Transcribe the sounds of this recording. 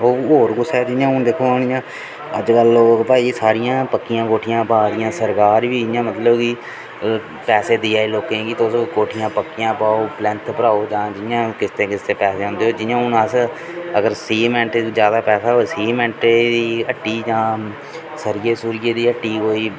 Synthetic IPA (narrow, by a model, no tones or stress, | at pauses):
oːɦoːɾɡʊsɛːd͡ʒɪjãːʊnd̪ekʰoːaːɽ̃ɪjãː | əd͡ʒkəloːpaːiːsaːɾɪjãːpəkːɪjãːkoːʈʰɪjãːpaːd̪ɪjãːsəɾkaːɾʋiːd͡ʒjãːmət̪ləbkiː | pɛːseːd̪iaːeːloːkẽːɡiːt̪oʊskoːʈʰɪjãːpəkːɪjãːpaːoːplɛ̃ːnt̪pəɾaːoːd͡ʒãːd͡ʒɪjãːkɪst̪eːkɪst̪eːpɛːseːɦʊ̃nd̪eːɦoːd͡ʒɪjãːʊnaːs | əɡəɾsiːmɛ̃ːɳʈd͡ʒjaːd̪aːpɛːsaːɦoesiːmɛ̃ːɳʈɾeːd̪iːəʈːiːd͡ʒãː | səɾɪjeːsuːɾɪjeːd̪iːəʈːiːɦoːiː